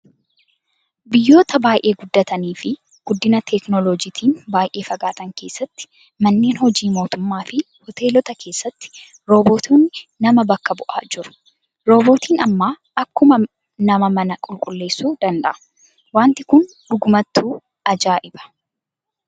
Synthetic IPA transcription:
bɪjːo̞ːt̪ɐbaːjʔe̞ːɡʊd̪ːɐt̪ɐniːfɪ | ɡ̥ʊd̪ːɪnɐt̪ʰɛknɔlɔd͡ʒiːt̪ʰiːnbaːjʔe̞ːfɐɡaːt̪ɐŋke̞ːsːɐt̪ːɪ̥ | mɐnːe̞ːnhɔd͡ʒiːmo̞ːt̪ʊmːaːfɪ | hɔt̪e̞ːlɔt̪ɐke̞ːsːɐt̪ːɪ̥ | ɾo̞ːboːt̪uːnːɪnɐmɐbɐkːɐbʊʔa̰ːd͡ʒʊɾʊ̥ | ɾo̞ːbo̞ːt̪iːnɐmːaː | ʔɐkːʊmɐ | nɐmɐmɐnɐkʼʊlkʼʊlːe̞ːsːuːd̪ɐnd̪ɐ̰ʔɐ̥ | waːnt̪ɪkʊn | ᶑʊɡʊmɐt̪ːuː | ɐd͡ʒaːʔɪbɐ̥

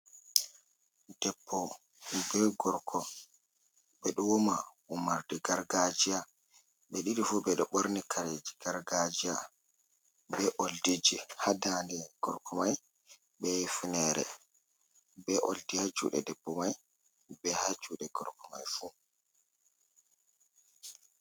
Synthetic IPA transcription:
d̥ɛbːɔ | bɛɡɔɾkʰɔ | ɓɛɗɔwoma | umaɾdɛɡaɾɡad͡ʒija | ɓɛɗiɾifubɛɗɔɓoɾnikʰaɾed͡ʒiɡaɾɡad͡ʒija | bɛʔoldid͡ʒihadandɛɡ̥ɔ̰ɾkʰɔmaj | bɛfunɛɾɛ̰ | bɛʔo̰ldijad͡ʒṵːɗɛ̰dɛbːɔmaj | bɛhad͡ʒuɗɛɡɔɾkɔmajfu

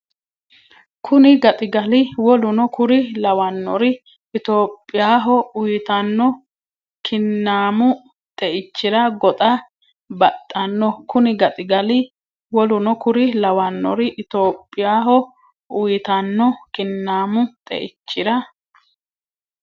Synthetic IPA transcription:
kʰʊnɪɡɐt̪ʼɪɡɐlɪwɔlʊnɔkʊɾɪlɐwɐnːɔ̰ɾɪ | ɪt̪oːpʼːɪjaːɦɔʊjɪt̪ɐnːɔ | kʰɪnːaːmʊ | t̪ʼɛʔɪt͡ʃːɪɾɐɡɔt̪ʼɐ | bɐt̪ʼːɐnːɔkʊnɪɡɐt̪ʼɪɡɐlɪ | wɔlʊnɔkʊɾɪlɐwɐnːɔ̰ɾɪʔɪt̪o̞ːpʼːɪjaːɦɔ | ʊjɪt̪ɐnːɔkɪnːaːmʊt̪ʼɛ̰ʔɪt͡ʃːɪɾɐ

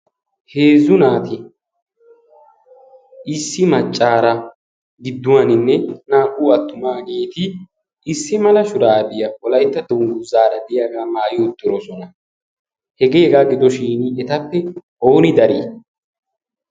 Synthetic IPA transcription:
heːzʊnaːt̪ɪ | ʔɪsːɪmɐt͡ʃʼːaːɾɐ | ɡɪd̪ːʊwanɪnːɛnaːʔuːɐt̪ːʊmaːɡe̞ːt̪ɪ | ʔɪsːɪmɐlɐʃʊɾaːb̪ɪjɐwɔlɐjt̪ːɐd̪ɔŋɡʊzaːɾɐd̪ɪjaːɡaːmaːjʊʊt̪ʼːɪɾɔsɔnɐ | hɛɡeːɡaːɡɪd̪ɔʃiːnɛt̪ɐpːɛʔo̞ːnɪd̪ɐɾiː

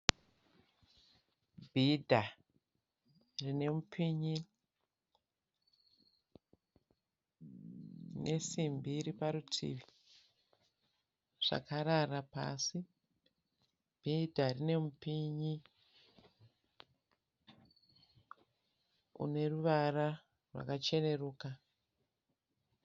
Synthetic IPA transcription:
bʱidʱa | rine̞mupʰiɲi | ne̞simbiɾipaɾutʰḭʋi̥ | ʐ̥a̰kaɾarapa̰si | b̥ʱidʱarine̞mupiɲi | ṵne̞ruʋara | rwa̰kat͡ʃe̞ne̞ruːka

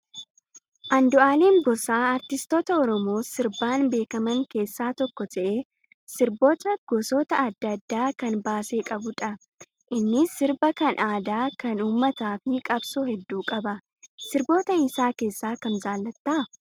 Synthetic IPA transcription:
ʔɐnd̪ʊaːleːŋɡɔsaːɐɾt̪ɪst̪ɔt̪ɐɔɾɔmo̞ːsɪɾbaːnbe̞ːkɐmɐŋke̞ːsːaːt̪ɔkːɔt̪ʰɐʔe | sɪɾbo̞ːt̪ɐɡ̥ɔsɔt̪ɐɐd̪ːɐd̪ːaːkɐnbaːse̞ːkʼɐbʊᶑɐ | ʔɪnːɪsɪɾbɐkɐnʔaːd̪aːkɐnuːmːɐt̪aːfɪkʼɐbsuːɦɛd̪ːuːkʼɐbɐ | sɪɾbo̞ːt̪ɐɪsaːke̞ːsːaːkɐnzaːlːɐt̪ːɐʔ

